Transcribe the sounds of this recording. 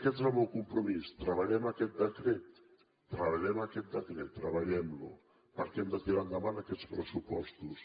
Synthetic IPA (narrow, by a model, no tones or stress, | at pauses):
kɛt̪zaβowkumpɾumist̪ɾəβaʎɛmakɛt̪̚d̪əkɾɛt̪ː | ɾəβaʎɛmakɛt̪̚d̪əkɾɛt̪ːɾəβaʎɛmlṵ | pəɾkɛmd̪ət̪iɾand̪aβanakɛt̪spɾəsupɔst̪us